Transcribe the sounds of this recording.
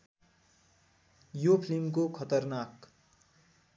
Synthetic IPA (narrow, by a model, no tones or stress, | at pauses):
jopʰlimkokʰʌt̪ʌrnak